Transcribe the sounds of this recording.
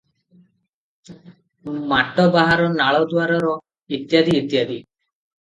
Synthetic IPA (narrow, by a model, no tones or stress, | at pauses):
maʈɔbaɦaɾɔnaɭɔd̪waɾɔɾɔ | it̪jad̪iːt̪jad̪i